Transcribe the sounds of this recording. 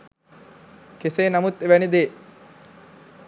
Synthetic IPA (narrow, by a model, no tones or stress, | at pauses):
keseːnamut̪eʋænid̪eː